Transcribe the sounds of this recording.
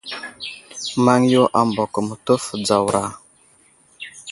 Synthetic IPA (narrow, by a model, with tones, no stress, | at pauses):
ma˦ŋjo˦ʔa˨mbo˨kə˨mə˨tə˦fd͡za˨wɾa˨